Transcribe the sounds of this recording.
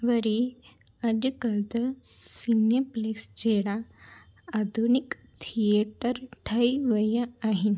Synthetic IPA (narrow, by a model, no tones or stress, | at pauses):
ʋəɾi | ad͡ʑəkəlt̪ə | sinjəpleksd͡ʑeɽa | ad̪ʱunik | t̪ʰijeʈəɾʈʰəiʋəjaaɦin